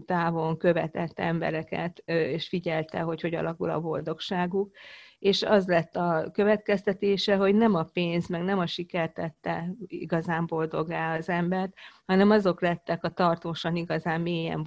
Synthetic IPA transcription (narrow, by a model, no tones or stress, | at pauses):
t̪aːvo̞ŋkø̞vɛ̰t̪ɛt̪ːɛmbɛ̰ɾɛkɛ̰t̪eːʃfiɟɛlt̪ɛ̰ɦo̞cho̞ɟɒ̰lɒkṵlɒ̰bo̞ld̪o̞kʃaːɡukeːʃɒzlɛt̪ːɒkø̞vɛt̪kɛst̪ɛt̪eːʃɛɦo̞ɟnɛmɒpeːnzmɛɡnɛmɒʃikɛrt̪ɛt̪ːɛḭɡɒzaːmbo̞ld̪o̞ɡaːɒzɛmbɛrt̪hɒnɛmɒzo̞klɛt̪ːɛkɒt̪ɒrt̪oːʃɒniɡɒzaːmːijɛ̰ɱ